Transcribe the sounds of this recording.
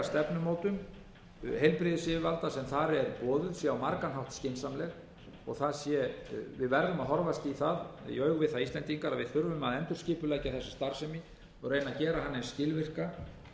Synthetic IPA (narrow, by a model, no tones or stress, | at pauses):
st̪ɛpnʏmoːwt̪ʏm | hejlpɾɪðɪsɪɪvalt̪asɛmθaɾɛɾpɔːðʏðsjɛawmaɾkanɦawht̪scɪnsamlɛɣ | ɔ̰ɣθaðsjɛvɪðvɛɾðʏmaðɦɔɾvasc̪ɪːθaðjœːɥɣvɪðθaðist̪ɛnt̪iŋkaɾaðvɪðθʏɾvʏmaðɛnt̪ʏɾ̥scɪːpʏlaːjcaθɛsːɪ̥st̪aɾ̥sɛmɪ | ɔrejnaðcɛːɾaɦanːɪscɪlvɪr̥ka